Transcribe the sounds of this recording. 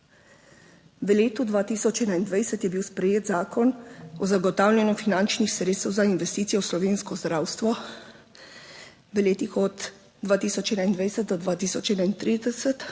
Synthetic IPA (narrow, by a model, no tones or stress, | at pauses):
ʋəleːt̪ud̪ʋaːt̪iːsɔt͡ʃɛnaind̪ʋajsət̪jɛbiwspɾɛjeːt̪zaːkʰɔnɔzaɡɔt̪aːwlʲjɛnufinant͡ʃnixsɾeːt̪st̪ɛwzainʋɛst̪iːsijɛwslɔʋeːnskɔzd̪ɾaːwst̪ʋɔ | ʋəleːt̪ixɔd̪ː | ʋaːt̪iːsɔt͡ʃɛːnaind̪ʋajsət̪̚d̪ɔd̪ʋaːt̪iːsɔt͡ʃɛːnaint̪ɾid̪əsət̪